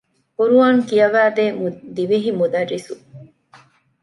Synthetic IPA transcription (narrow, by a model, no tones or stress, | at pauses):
kuɾuɐŋkijɐʋæːd̪eːmud̪iʋiɦimud̪ɐɾːisu